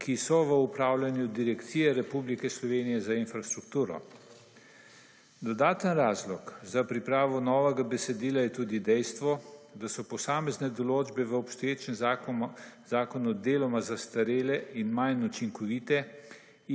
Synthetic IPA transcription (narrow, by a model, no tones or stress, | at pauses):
kʰisɔʋəupɾaːwlʲanjud̪iɾɛkt̪siːjɛɾɛpublikɛslɔʋeːnijɛzainfɾast̪ɾukt̪uːɾɔ̰ | d̪ɔd̪aːt̪ənɾaːzlɔkzapɾipɾaːʋɔnɔːʋɛɡabɛsɛd̪iːlajɛt̪uːd̪id̪ɛjst̪ʋɔd̪asɔpɔsaːmɛznɛd̪ɔloːd͡ʒbɛʋəɔpst̪ɔjeːt͡ʃɛm | zaːkɔnud̪eːlɔmazast̪aɾeːlɛinmajnut͡ʃiŋkɔʋiːt̪ɛ